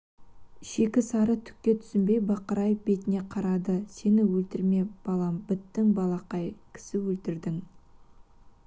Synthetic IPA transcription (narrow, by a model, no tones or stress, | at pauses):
ʃe̞kʲɪsɑɾət̪ʰʏ̥kʲːe̞t̪ʰʏ̥sɪmbe̞jbɑqəɾɑjbe̞t̪ɪne̞qʰɑɾɑd̪əse̞nɪwɵlt̪ɪɾme̞bɑlˠɑmbɪt̪ːɪŋbɑlˠɑqɑjkʲʰɪ̥sɪwɵlt̪ɪɾd̪ɪŋ